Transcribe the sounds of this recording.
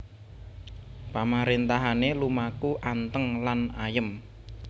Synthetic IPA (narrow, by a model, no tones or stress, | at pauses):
pamaɾent̪aɦanelumakuʔant̪əŋlanajəm